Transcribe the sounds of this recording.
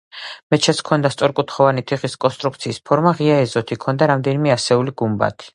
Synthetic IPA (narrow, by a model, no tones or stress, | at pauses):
mɛt̪t͡ʃʰɛt̪sʰkʰɔnd̪ast̪sʼɔɾkʼut̪ʰχɔvanit̪ʰiχiskʼɔnst̪ʼɾuk̚ʰt̪sʰiːspʰɔɾmaʁiaɛzɔt̪ʰikʰɔnd̪aɾamd̪ɛnimɛasɛuliɡumba̰t̪ʰi̥